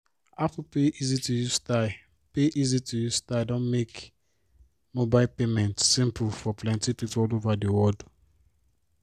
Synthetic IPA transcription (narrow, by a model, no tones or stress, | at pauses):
afupeʔizitujusta | peʔizitʰujustadɔ̃nmek | mobaɪlpemɛ̃ntsĩmpʰulfɔpʰlɛ̃ntipipulovadiwɔd